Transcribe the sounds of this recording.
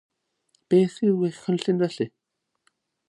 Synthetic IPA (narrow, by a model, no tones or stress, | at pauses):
b̥eːθiðwɪχənɬɪnvɛɬɨ